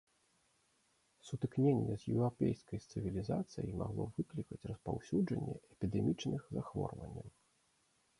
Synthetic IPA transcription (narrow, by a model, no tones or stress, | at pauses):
sut̪ɨknʲenʲːɛzʲjɛwɾapʲejskɐjt̪sɨvʲilʲizat̪sɨjimaɣlˠɔvɨklʲikɐt͡sʲrɐspawsʲud͡ʐɐ̰nʲːɛɛpʲid̪ɛmʲit͡ʂnɨxzaxvɔ̰rvɐ̰nʲːɐw